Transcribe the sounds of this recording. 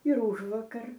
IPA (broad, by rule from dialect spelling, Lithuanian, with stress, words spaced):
ɪr ˈʊʒʋuɔkɐr